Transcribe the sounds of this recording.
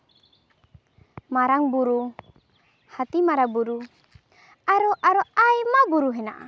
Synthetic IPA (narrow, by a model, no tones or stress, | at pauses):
maɾaŋbuɾu | hat̪imaɾabuɾu | aɾɔʔaɾɔajmabuɾuɦɛna̰ʔa̰